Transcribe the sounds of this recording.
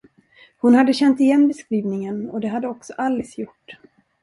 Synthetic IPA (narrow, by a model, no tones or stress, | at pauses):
hʊnhad̪ːəɕɛnt̪ɪjɛnːbɛskɾiːvnɪŋənɔd̪ɛɦad̪ːəɔksɔʔalːɛsjʊʈː